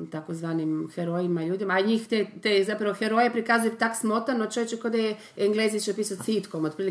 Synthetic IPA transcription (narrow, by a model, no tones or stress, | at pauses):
t̪akozʋaːnimxeɾojimaʎuːd̪imaɲiːxt̪et̪ezapɾaʋoxeɾojepɾikazujet̪aksmot̪anot͡ʃojet͡ʃekod̪aje | eŋɡlezit͡ʃeopiːsat̪sit̪komot̪pɾiːli